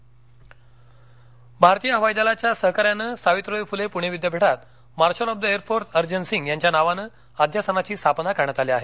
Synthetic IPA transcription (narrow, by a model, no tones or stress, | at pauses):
bʱaɾt̪ijəɦəʋajd̪alat͡ɕjasəɦəkaɾjanəːsaʋit̪ɾəjfulepuɽ̤̃eʋid̪jabʱeʈat̪ | maɾɕəlɔb̚d̪əeɾfoɾsəɾd͡ʑənsiŋɡjaɲt͡ɕjanaʋanəː | ad̪ʱjasənat͡ɕiːst̪ʰapnakaɽɳət̪aliaɦe